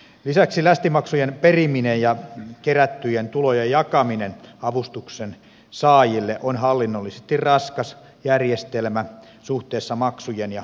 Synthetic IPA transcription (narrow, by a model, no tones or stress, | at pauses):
lisæksilæst̪imɑksujenperiminejjɑkeræt̪ːyjent̪ulojejɑkɑminenɑʋust̪uksen | sɑːjilːeʔonhɑlːinːolːisest̪irrɑskɑs | jærjest̪elmæ | suht̪eːsːɑmɑksujenjɑ